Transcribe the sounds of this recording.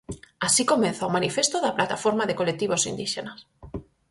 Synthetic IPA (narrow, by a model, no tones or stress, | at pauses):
asikomẽn̟θaomanifest̪oðaplat̪afoɾmaðekolet̪iβ̞osḭnd̪iʃenas